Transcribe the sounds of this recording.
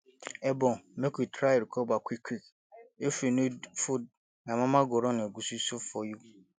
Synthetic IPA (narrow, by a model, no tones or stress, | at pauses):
ɛbɔ̃mɛ̃kʰutʰɾaeɾkʰɔbakʰikʰik | efɾinʊ̃fʊ | nãmãmãɡɔɾɔnɪ̃ɡususʊfɔju